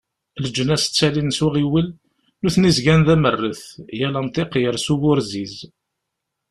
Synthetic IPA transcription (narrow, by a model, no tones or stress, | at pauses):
ləd͡ʒːənæst͡sːælinsəʁiwəlː | uθnizɡænðæmərːəθjælænt̪ˤɪqjəɾsuwʊɾziz